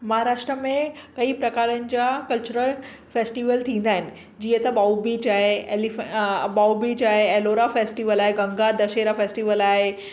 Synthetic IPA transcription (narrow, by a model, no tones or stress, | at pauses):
mɐɦaːɾaːʃʈɾəmẽkɐipɾɐkaːɾənɪ̆d͡ʑakɐlt͡ɕuɾəl | feːsʈiʋəlt̪ʰĩːnd̪aːɦɪnɪ̆ | d͡ʑiːət̪ɐɓaːubit͡ɕaːɦeelibaːubit͡ɕaːɦeɛːloːɾafeːsʈiʋəlaːɦeɡɐ̃ŋɡad̪ɐʃeːɾafeːsʈiʋəlaːɦe